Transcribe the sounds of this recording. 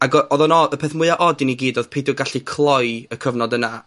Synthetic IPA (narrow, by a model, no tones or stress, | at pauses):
aɡɔɔðɔnɔəpʰeːθmʊɨaʔɔdɪniɡiːdoð̥pʰejdɪɡaɬikʰlˠɔjəkʰəvnɔdəna